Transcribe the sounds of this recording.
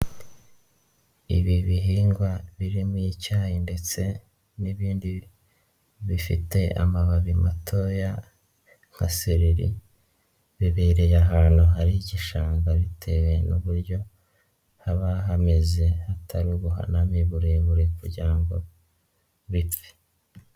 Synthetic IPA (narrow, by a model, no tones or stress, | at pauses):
ḭβiβiɦiːŋɡwaβiɾimuicaːjinde̞t͡se̞ | niβiːndi | βifḭte̞a̰maβaβimatʰo̞ja | ŋ̥ha̰seɾiɾḭ | βiβeɾejaɦaːnhuɦaɾiɟiʃaːŋɡaβitʰe̞we̞nuβuɾjo̞ | haβaɦame̞ze̞hatʰaɾuβuɦa̰namiβuɾeβuɾekuɾɟiɾaŋɡo̞ | βipi̥